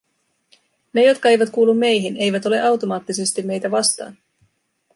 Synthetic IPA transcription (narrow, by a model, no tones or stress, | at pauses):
ne̞jo̞t̪kɑe̞jʋæt̪kuːlːumːe̞jɦine̞jʋæt̪o̞le̞ʔɑwt̪o̞mɑːt̪ːise̞st̪imːe̞jt̪æʋɑst̪ɑ̰ːn